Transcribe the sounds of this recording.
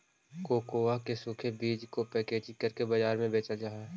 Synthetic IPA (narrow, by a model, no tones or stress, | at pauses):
koːkoːakesʊːkʰebiːd͡ʒkopɛːkeːd͡ʒikəɾkebɐd͡ʒaːɾmẽbeːt͡ʃad͡ʒaːɦɛ